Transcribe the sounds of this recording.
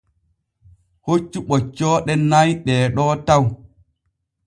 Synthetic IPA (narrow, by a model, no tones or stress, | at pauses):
hot͡ʃːuɓɔt͡ʃːɔːɗɛnajɗɛːɗɔːtaw